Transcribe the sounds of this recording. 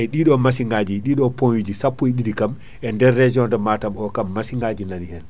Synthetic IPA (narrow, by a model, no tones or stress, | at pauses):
ʔɛɗiɗɔmasiŋɡad͡ʒiɗiɗɔponjud͡ʒisapːuiɗidikam | ʔɛndɛɾːed͡ʒiɔndɛmatamɔkamːasiŋɡad͡ʒinanihɛn